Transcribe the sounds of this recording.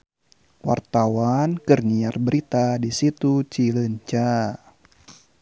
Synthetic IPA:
wa̰rt̪awankərniarbəɾit̪adisit̪ut͡ʃiləɲt͡ʃa

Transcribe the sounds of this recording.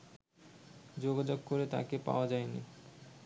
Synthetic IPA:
d͡ʑoɡad͡ʑoɡ̚koɾet̪a̰kepa̰oad͡ʑaejni

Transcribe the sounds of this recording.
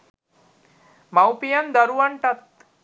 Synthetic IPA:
mawpijɐnd̪əɾuʋɐɳʈat̪̚

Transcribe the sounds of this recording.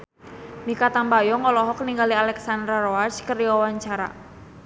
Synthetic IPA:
mikat̪ambajɔŋɔlɔɦɔkniŋɡalialɛksand̪ɾaɾoat͡ʃkəriwawaɲt͡ʃaɾa̰

